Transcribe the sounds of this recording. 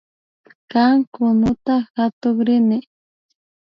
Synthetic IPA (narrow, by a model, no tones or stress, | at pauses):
kaŋkʊnʊt̪axat̪oχɾɪnɪ